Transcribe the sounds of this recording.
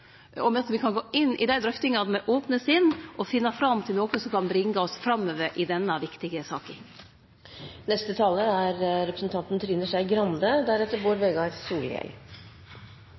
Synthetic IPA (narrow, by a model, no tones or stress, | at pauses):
ɔmɛɑt̪ʋɪkʰɑnɡoːʔɪnːɪ̰d̪æɪd̪ɾœft̪ɪŋɑnmɛʔoːpnəsɪnːʔɔfɪnːɑfɾɑmt̪ʰɪlnoːkʊsɔmkʰɑnbɾɪŋɡəɔsfɾɑmːøːʋəɾʔɪd̪ɛnːəʋɪkt̪ɪɡəsɑːkə | nɛst̪ət̪ʰɑːləæɾɾɛpɾəsn̩t̪ʰɑnt̪nt̪ʰɾɪːnːəʂæɪɡɾɑnd̪əd̪æɾɛt̪ːəɾboːɾʋɛɡɑsuːljɛ̰l